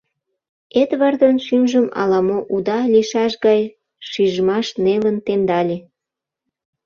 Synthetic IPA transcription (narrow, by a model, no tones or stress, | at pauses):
et̪βɑrd̪ənʃynʒəmɑ̰lɑmoʔud̪ɑlʲiʃɑʃɣɑj | ʃiʒəmɑʃnelənt̪end̪ɑlʲe